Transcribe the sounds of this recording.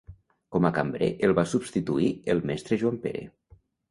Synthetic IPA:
kɔmakambɾḛʔelˠβasubst̪it̪uielˠmɛst̪ɾeʒuampḛɾḛ

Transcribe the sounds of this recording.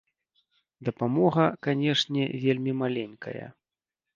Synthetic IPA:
d̪ɐpamɔɣɐkanʲɛʂnʲɛvʲelʲmʲimalʲɛnʲkʰɐ̰jɐ̰

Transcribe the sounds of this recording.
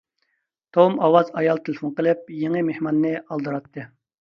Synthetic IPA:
t̪ʰomɑwɑzɑjɑlˠt̪ʰelfonqəlˠɨp̚jeŋɨmehmɑnːɨɑlˠd̪ɨɾɑt̪ʰːɨ

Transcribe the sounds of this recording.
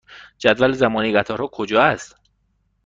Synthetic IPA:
d͡ʒæd̪vælzæmɒːniɡæt̪ʰɒːɾhɒːkʰod͡ʒɒːæst̪

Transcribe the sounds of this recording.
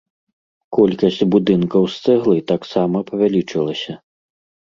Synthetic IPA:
kɔlʲkɐsʲt͡sʲbud̪ɨnkɐwst̪sɛɣlˠɨt̪aksamɐpɐvʲalʲit͡ʂɨlˠɐsʲɐ

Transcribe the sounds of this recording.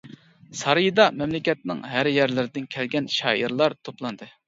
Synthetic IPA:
sɑɾɨjɨd̪ɑmɛmlɪkʲɛt̪̚nɪŋɦæɾjæɾlɪɾɪd̪ɪnkʲʰɛlɡʲɛnʃɑ̰ːʔiɾlˠɑɾt̪ʰoplˠɑnd̪ɨ

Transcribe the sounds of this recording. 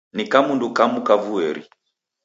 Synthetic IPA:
nikamundukamukavuɛɾḭ

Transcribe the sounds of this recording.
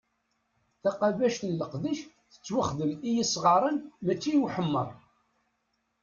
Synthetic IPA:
θɑqavæʃt̪nlːəqðiʃ | θə̥t͡sːwəχðəmijisʁɑɾˤənmæt͡ʃːijuħəmːəɾˤ

